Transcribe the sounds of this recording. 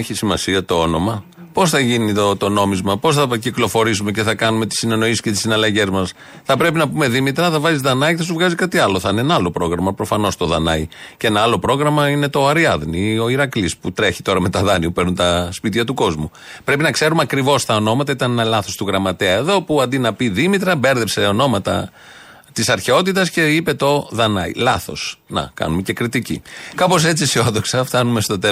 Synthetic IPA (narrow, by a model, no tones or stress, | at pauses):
eçisimɐsiɐt̪o̞o̞no̞mɐ | po̞sθɐʝiniot̪o̞no̞mizmɐpo̞sθɐciklo̞fo̞ɾisume̞ce̞θɐkɐnume̞t̪i̥sine̞no̞isi̥scet̪i̥sinɐlɐʝe̞zmɐs | θɐpɾe̞pinɐpume̞ðimit̪ɾɐθɐvɐzizðɐnɐiθɐsuvɣɐzikɐt̪iɐlo̞θɐinenɐɐlo̞pɾo̞ɣɾɐmɐpɾo̞fɐno̞st̪o̞ðɐnɐicee̞nɐɐlo̞pɾo̞ɣɾɐmɐine̞t̪o̞ɐɾiɐðnio̞iɾɐklisput̪ɾe̞çi̥t̪o̞ɾɐme̞t̪ɐðɐniupeɾnunt̪ɐspit̪çɐt̪uko̞zmu | pɾe̞pinɐkse̞ɾumɐkɾivo̞st̪ɐo̞no̞mɐt̪ɐit̪ɐnenɐlɐθo̞st̪uɣɾɐmɐt̪eɐeðo̞puɐnd̪inɐpiðimit̪ɾɐbe̞ɾðe̞pse̞o̞no̞mɐt̪ɐ̰ | t̪isɐɾçe̞o̞t̪it̪ɐsce̞ipe̞t̪o̞ðɐnɐḭlɐθo̞̰snɐ̰kɐ̰numece̞kɾit̪icḭkɐpo̞se̞t͡sisio̞ðo̞ksɐft̪ɐnume̞st̪o̞t̪e